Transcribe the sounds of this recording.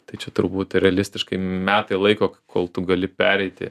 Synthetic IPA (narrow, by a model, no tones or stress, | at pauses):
t̪ɐɪt͡ʃʲɛt̪ʊɾbuːt̪ɾʲɛɐlʲɪsʲt̪ʲɪʃkɐɪmʲæːt̪ɐɪlˠɐɪkoːkkʰoːlˠt̪ʊɡɐlʲɪpʲæːɾʲɛɪt̪ʲɪ̰